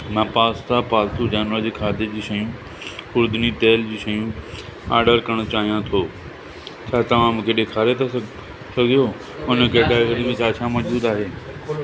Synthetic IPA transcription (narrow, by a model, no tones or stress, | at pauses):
mãːpaːst̪apaːlt̪ud͡ʑaːnʋəɾd͡ʑiːkʰaːd̪ed͡ʑiːʃɐjũ | ʊɾd̪nit̪eːld͡ʑiːʃɐjũa̰ːɾɖəɾkɐəɽ̃t͡ɕaːɦijãt̪ʰoː | t͡ɕʰaːt̪ɐʋ̤ãmũːkʰeɗɪkʰaːɾet̪a | sɐɡʱijo | ʊnəkeʈaːɡəɾmẽt͡ɕʰaːt͡ɕʰamɐd͡ʑbuːd̪aːɦeː